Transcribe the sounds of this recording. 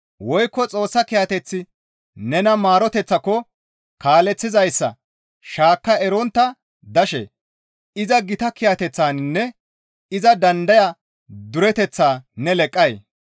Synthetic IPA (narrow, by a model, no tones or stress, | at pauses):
wɔjkːɔt͡sʼo̞ːsːɐkɪjɐt̪ɛt͡sːɪ | nɛnɐmaːɾɔt̪ɛt͡sːɐkːɔ | kaːlɛt͡sːɪzɐjsːɐ̰ | ʃaːkːɐɛɾɔnt̪ːɐ | d̪ɐʃɛ̰ | ɪzɐɡɪt̪ɐkɪjat̪ɛt͡sːaːnnːɛ | ɪzɐd̪ɐnd̪ɐjɐ | d̪ʊɾɛt̪ɛt͡sːaːnɛlɛkʼːɐj